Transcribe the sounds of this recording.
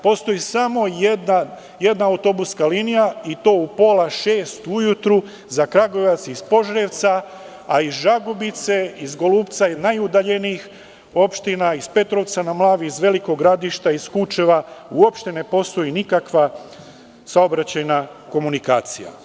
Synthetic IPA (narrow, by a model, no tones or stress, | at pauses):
po̞st̪o̞jisamo̞jed̪na | je̞d̪naawt̪o̞buskalinijait̪o̞ːupo̞ːlaʃe̞ːst̪ujut̪ɾu | zakɾaɡo̞ʋat̪sispo̞ʒɾe̞ʋt̪sa | aizʒaɡobit̪se̞izɡo̞luːpt̪sainajud̪aʎe̞niix | o̞pʃt̪inaispe̞t̪ɾo̞ʋt̪sanamlˠaːʋiizʋe̞liko̞ɡɾad̪iʃt̪aiskut͡ʃe̞ʋauo̞pʃt̪e̞ne̞po̞st̪o̞jinikakʋa | sao̞bɾat͡ɕajna | ko̞munikaːt̪sḭja̰